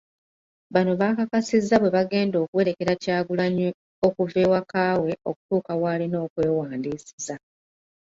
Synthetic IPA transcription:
βano̞βaːkakasizːaβwe̞βaɡe̞ːndo̞ːkuwe̞ːɾe̞ke̞ɾacaːɡulaɲi | okuve̞ːwakaːwe̞o̞ku̥tuːkawaːlino̞ːkwe̞ːwaːndiːsiza

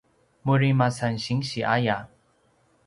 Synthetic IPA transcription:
muɾimasanɕiŋɕiʔaja

